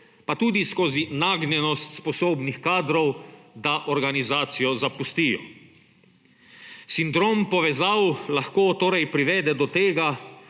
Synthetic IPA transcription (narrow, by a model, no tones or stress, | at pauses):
pat̪uːd̪iskoːzinaɡnɛnɔst̪spɔsoːbnixkaːd̪ɾɔwd̪aʔɔɾɡanizaːt̪sijɔzapust̪ijɔ̰ | sind̪ɾoːmpɔʋɛzawlaxkoːt̪oːɾajpɾiʋɛd̪ɛd̪ɔt̪eːɡa